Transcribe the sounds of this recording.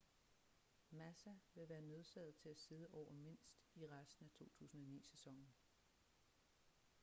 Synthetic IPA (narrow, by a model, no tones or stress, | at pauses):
mæsæʋe̝ʋæːɐnø̝ð̞ˠsæð̩ˠt͡sʰe̝læse̝ð̞ˠəʔɒʊ̰ɐme̝n̰sd̥iʁasd̥n̩æt͡sʰo̝̰ːt͡sʰṵːsn̩ɒ̽nḭːsesɒ̽ŋ̰n̩